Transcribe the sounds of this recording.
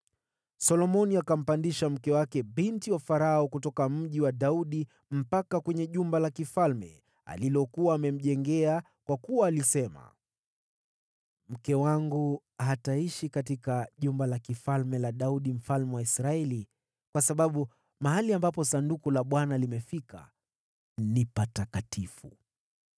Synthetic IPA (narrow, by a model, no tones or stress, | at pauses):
sɔlɔmɔniakam̩pandiʃam̩kɛwakɛɓintiwafaɾaɔkutɔkam̩ʄiwaɗauɗi | m̩pakakwɛɲɛʄumbalakifalmɛ̰ | a̰lilɔkuwaːmɛm̩ʄɛŋɡɛa | kwakuwaːlisɛma̰ | m̩kɛwaŋɡu | ɦataiʃikat̬ikaʄumbalakifalmɛlaɗauɗim̩falmɛwaisɾaɛli | kwasaɓaɓu | maɦaliambapɔsandukulaɓwanalimɛfika̰ | nipatakatifṵ